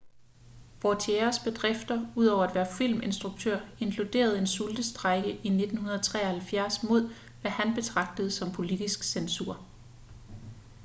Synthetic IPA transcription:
ʋɒt͡sʰieɐsb̥e̝d̥ʁɛfd̥ɐuð̞ˠɒ̰ʊɐæd̥ʋæːɐfil̰me̝nsd̥ʁuɡ̥̚t͡sʰøɐ̰e̝ŋkʰlud̥e̝̰ːɐð̩ˠe̝nsuld̥əsd̥ʁaɡ̥əʔine̝d̥n̩hunɐðˠɐt͡sʰʁɛ̰ːɐhælfjæɐ̰smo̝ð̞̰ˠ | ʋæhænb̥e̝t͡sʰʁɑ̈ɡ̥̚d̥əð̩ˠsɒ̽mpʰo̝lid̥isɡ̥sensuɐ̰

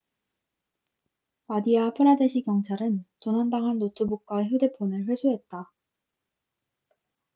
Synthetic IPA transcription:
madiapʰɯɾadeɕʰikjʌŋt͡ɕʰaɾɯntonandaŋɦanːotʰubok̚k͈waçjude̞pʰonɯɭɸwe̞d͡ʑʰuɦe̞t̚t͈a

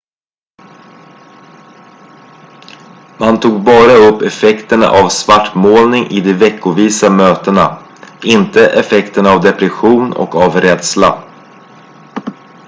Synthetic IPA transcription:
mant̪ʰuːɡ̚bɑːɾaɵpːɛfɛkt̪əɳa̰ʔavsvaʈːmoːlnɪŋʔɪd̪ɛvɛkːʊviːsamøːt̪əna̰ | ɪnt̪əʔɛfɛkt̪əɳavd̪ɛpɾɪɧuːnɔ̰kavɾɛd̪sla̰

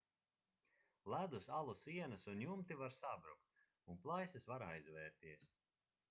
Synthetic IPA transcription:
lˠæd̪usalˠusiɛnɨsunjumt̪ivaɾsabɾuk̚t̪ | unplˠajsɨsvaɾajzvɛːɾt̪iɛs

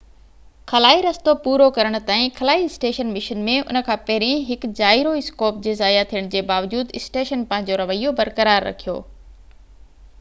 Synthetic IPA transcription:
kʰɐlaːiɾɐst̪opuːɾokɐɾəɽ̃ʊ̆t̪aːĩxʰɐlaːiɪsʈeːʃənmɪʃənmẽʊ̰nə̆kʰãːpɐɦɪɾẽɦɪkd͡ʑaːɪɾoɪskoːp̚d͡ʑeːzaːjat̪ʰijəɽ̃d͡ʑeːbaːʋd͡ʑuːd̪ɪsʈeːʃənpɐ̃ɦɪ̃ɲ̆d͡ʑoɾɐʋəijobɐɾkəɾaːɾːɐ̰kʰijo̰ː

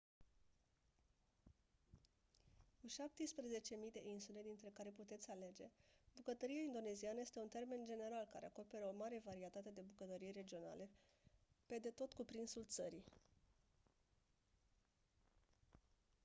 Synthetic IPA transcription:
kuʃap̚t̪ispɾeze̞t͡ʃe̞mijd̪e̞ʔinsule̞d̪int̪ɾe̞kaɾe̞put̪e̞t̪sʲale̞d͡ʒe̞bukət̪əɾijaind̪o̞ne̞zianəje̞st̪eunt̪e̞rme̞nd͡ʒe̞ne̞ɾalka̰ɾe̞ako̞pe̞ɾəo̞maɾe̞vaɾiet̪at̪e̞d̪e̞bukət̪əɾijeɾe̞d͡ʒio̞na̰le̞ | pe̞d̪e̞t̪o̞t̪kupɾinsult̪səɾi

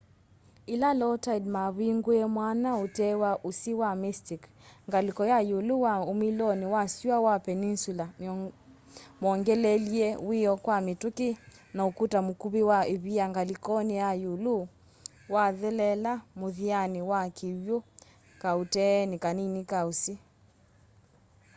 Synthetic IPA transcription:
ilalɔtaidmaβiŋɡuɛmwanaotɛwaʔusiwamistik | ŋɡalikɔjajuluwaomilɔniwasiawapɛninsula | mɔŋɡɛlɛliɛwiɔkwamitukinaokutamokuβiwaeβiaŋɡalikɔnejajulu | waðɛlɛlamoðianiwakʰiwjo | kautɛnikaninikausi

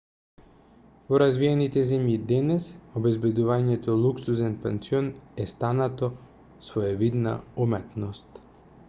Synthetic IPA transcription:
voɾazviɛnit̪ɛzɛmjid̪ɛnɛsobɛzbɛd̪uvaɲɛt̪ɔlˠuksuzɛnpɛnt̪siɔnɛst̪anat̪ɔ | svoɛvid̪na̰umɛt̪nɔst̪

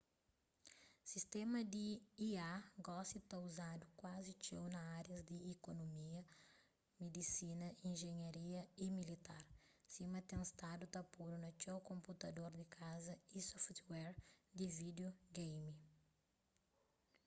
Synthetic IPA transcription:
sist̪emɐd̪iiaɡɔsit̪auzad̪ukwazit͡ʃewnɐaɾjɐzd̪iːkonomiɐ | med̪isinɐĩnʒeɲaɾiɐimilit̪aɾsimɐt̪ẽst̪ad̪ut̪ɐpuɾunɐt͡ʃewkõmput̪ɐd̪oɾd̪ikʰazɐisɔft̪wɛɾd̪ivid̪oɡejmi

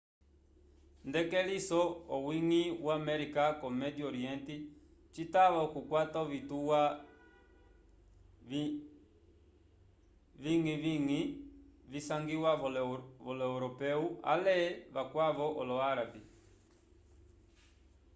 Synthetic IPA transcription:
ndɛkɛlisɔɔwiŋiwamɛɾikakɔmɛdiɔɾiɛnti | t͡ʃitaβakukwatauvituwa | viŋiviŋivisaŋɡiwavɔlɛuɾɔpɛua̰lɛβakwavɔʔɔlɔaɾabi

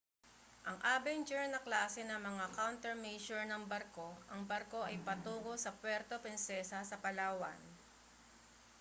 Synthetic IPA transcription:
ʔɐŋʔaːbɛnt͡ʃɛɹnɐklaːsɛnɐmɐŋakawnt̪ɛɹmejʃʊɹnɐŋbɐɾko̞ʔɐŋbɐɾko̞ʔɐjpɐt̪uːɡo̞sɐpwɛɾt̪opɛnsɛsɐsɐpɐlaːwɐ̰n

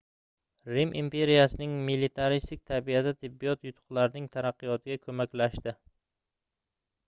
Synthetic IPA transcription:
ɾimʔimpe̞ɾijasɪnɪŋmilit̪ʰaɾist̪ɪk̚ʲt̪ʰabiad̪at̪ʰɪbːijɒt̪jʊt̪ʰʊ̥qlˠaɾnɪŋt̪ʰaɾɑqːɨjɒt̪ʰɪɡʲakʰɵmakʲlaʃt̪ɪ

